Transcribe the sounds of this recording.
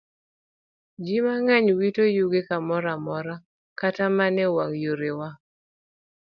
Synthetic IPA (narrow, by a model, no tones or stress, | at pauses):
d͡ʒimaŋaɲwitojuɡekamɔɾamɔɾa | katamanɛwaŋjoɾewa